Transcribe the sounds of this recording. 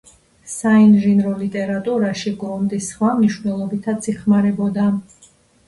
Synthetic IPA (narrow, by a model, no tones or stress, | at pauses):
sainʒinɾɔlit̪ʼɛɾat̪ʼuɾaʃiɡɾɔmd̪isχwamniʃwnɛlˠɔbit̪ʰat̪sʰiχmaɾɛbɔd̪a